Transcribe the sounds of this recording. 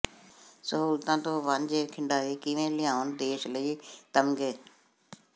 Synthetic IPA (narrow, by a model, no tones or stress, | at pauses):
səɦuːlt̪ãːt̪õːʋə̃nd͡ʒeːkʰɪ̃ɳɖaːiːkɪʋẽːlɪjãːnd̪eːʃləiːt̪əmɡeː